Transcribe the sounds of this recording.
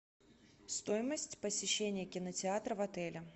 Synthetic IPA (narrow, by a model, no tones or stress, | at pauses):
st̪ojɪməsʲtʲpəsʲɪɕːenʲɪjəkʲɪnətʲɪat̪ɾəvɐt̪ɛlʲɪ